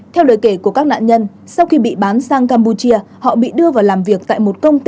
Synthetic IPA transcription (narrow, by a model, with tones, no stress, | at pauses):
t̪ʰɛ˧wɗə˨˦jke˧˩ku˧˩əkaː˦˥k̚na̰ː˧˨ɲə˧n | sa˧wxi˧ɓḭ˧˨ɓaː˨˦nsaː˧ŋkaː˧mpu˧t͡ɕi˧ə | hɔ̰˧˨ɓḭ˧˨ɗɨ˧əvaː˨˩wlaː˨˩mvi˨˩ək̚t̪a̰ː˧˨jmo˨˩t̚kə˧wŋ͡mt̪